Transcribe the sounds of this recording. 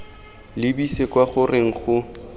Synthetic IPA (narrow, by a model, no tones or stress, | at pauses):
lɪbisekwaχʊreŋ̩χʊ